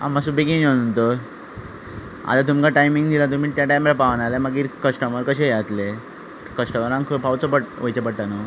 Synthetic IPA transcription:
a̰məs̬ubikiŋonunt̪ə | a̰t̪at̪̬umkaʈajmĩŋɡd̪ʱilat̪̬um̤iːt̪jaʈajmelapaʋnalaməɡiːɾkəsʈəməɾkəɕejat̪le | kəsʈəməɾãŋkʰpawt͡sɔpəɽʋəjt͡ɕepəɽʈ̪anə

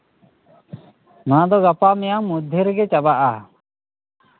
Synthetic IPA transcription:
mãd̪ɔɡapamɛjamud̪ʱəɾɛɡɛt͡ʃabaʔa

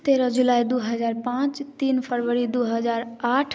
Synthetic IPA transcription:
t̪eːɾəd͡ʒulaːid̪uɦəzaːɾpãːt͡ʃt̪iːnpʰəɾʋəɾid̪uɦəzaːɾaːʈʰ

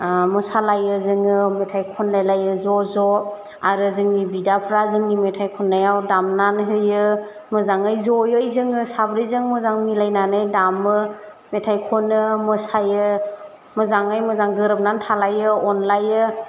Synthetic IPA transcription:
mɯsalajɯzɯŋɯmetʰajkʰɔnlajlajɯzɔzɔ | aɾɯzɯŋnibidapʰɾazɯŋnimetʰajkʰɔnːajawdamnanɦɯjɯ | mɯzaŋajzɔjɯjzɯŋɯsabɾijzɯŋmɯzaŋmilajnanɯjdamɯ | metʰajkʰɔnɯmɯsajɯ | mɯzaŋajmɯzaŋɡɯɾɯp̚nantʰalajɯɔnlajɯ

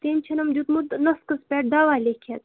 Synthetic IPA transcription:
t̪enʲt͡ʃʰɐnɐmd͡ʒut̪mut̪nɐskɐspeːʈ̚d̪aːʋaːlekʰet̪

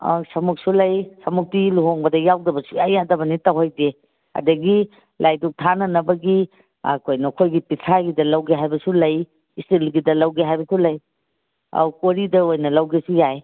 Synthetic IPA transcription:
a̰sɐmuk̚sulɐjsɐmuk̚tiluɦoŋbɐdɐjawdɐbɐsujajadɐbɐnitawɦajde | a̰dɐɡi | lʔajduk̚tʰanɐnɐbɐɡi | a̰kʰojnɐkʰojɡipitʰaɡidɐlɐwɡeɦajbɐsulɐj | istilɡidɐlɐwɡeɦajbɐsʰulɐj | a̰wkoɾidɐojnɐlɐwɡesujaj

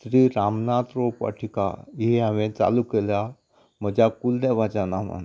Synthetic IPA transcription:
sɾiːɾamnat̪ɾopa̰ʈʰika̰iɦeɦaʋẽt͡sa̰lukelja | məd͡ʑʱakuld̪ebad͡ʑanaʋa̰n

